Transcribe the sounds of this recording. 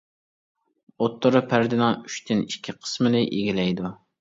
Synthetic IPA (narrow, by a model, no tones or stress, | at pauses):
ot̪ːoɾɨpʰæɾd̪ɪnɑŋyʃt̪ʰɪnikʲʰːiqʰə̥smɪnɪʔeɡʲilɛjd̪u